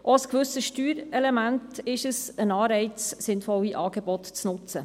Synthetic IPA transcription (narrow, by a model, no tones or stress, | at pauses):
ʔoəskʋʉsəʃtyːɾɛlemæntɪʃəsənɑːɾɛɪt͡ssɪnfɔliʔɑːɡeb̥ɔt̪t͡snʊt͡sə